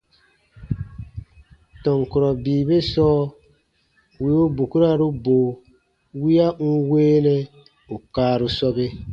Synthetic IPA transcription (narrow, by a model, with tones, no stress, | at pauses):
tɔ˨ŋku˨ɾɔ˨biː˨be˦sɔː˦ | wi˦˨o˦bu˨ku˦ɾa˦ɾu˦boː˨ | wi˦a˦u˦weː˦nɛ˦ | u˨kaː˦ɾu˦sɔ˦ɡe˦